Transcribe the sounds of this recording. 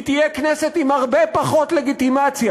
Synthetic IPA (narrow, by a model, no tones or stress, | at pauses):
t̪ijekneset̪imhaʁbepaχo̞t̪le̞ɡit̪imat͡sja